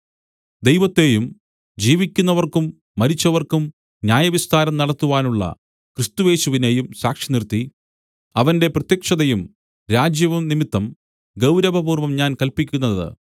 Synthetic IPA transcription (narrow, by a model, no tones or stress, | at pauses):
d̪e̞jʋɐt̪ːe̞jum | d͡ʑiːʋikʲːunːɐʋɐrkumː | ɐɾit͡ɕːɐʋɐrkum | njaːjɐʋist̪aːɾɐmnɐɽɐt̪ːuʋaːnuɭːɐ̰ | krist̪uʋe̞ːɕuʋine̞jumsaːkʂinirt̪ːi | ɐʋɐnde̞prɐt̪jɐkʂɐðɐjum | ɾaːd͡ʑjɐʋumnimit̪ːɐm | ɡɐwɾɐʋɐbuːrʋɐmɲaːnkɐlpikʲːunːɐðɨ̰